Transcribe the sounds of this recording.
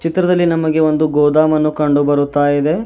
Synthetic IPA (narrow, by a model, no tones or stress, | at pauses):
t͡ʃit̪ɾɐd̪ɐlːinɐmɐɡe̞o̞nd̪uɡɔːd̪aːmɐnːukɐɳɖubɐɾut̪ːaːjid̪e̞